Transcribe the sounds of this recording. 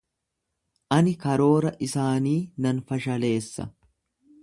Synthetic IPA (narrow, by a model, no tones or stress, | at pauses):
ʔɐnɪkɐɾo̞ːɾɐʔɪsaːniːnɐnfɐʃɐle̞ːsːɐ̰